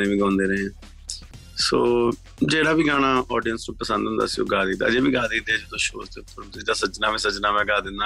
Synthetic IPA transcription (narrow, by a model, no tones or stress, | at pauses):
ẽːʋiːɡãːnd̪eːɾẽː | soː | d͡ʒeːɽaːʋiːɡaːnaːʔɔːɖijənsnũːpəsə̃nd̪ʊ̃ːnd̪a̰ːsiõ̰ːɡaːd̪iːd̪a̰ːd͡ʒeːʋiːɡaːd̪iːd̪eːd͡ʒoːt̪ʰõːʃo̰ːɾt̪eːpʰʊɾmseːd̪aːsət͡ʃnaːʋĩːsət͡ʃnaːmɛ̃ːɡaːd̪ɪnd̪aː